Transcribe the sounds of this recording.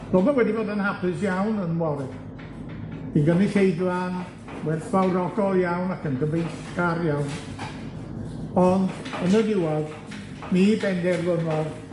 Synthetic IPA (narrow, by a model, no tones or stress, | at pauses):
b̥ɔlˠmawɛdiboːdənhapʰɨs̬jawnənwɔɾɨd̥ | iɡəniɬejdlˠan | wɛθv̥awɾɔɡɔlˠjawnakʰənkəbejɬɡaɾjawn | ɔndənədɪwɛlˠ | mibɛndɛrlənwɔr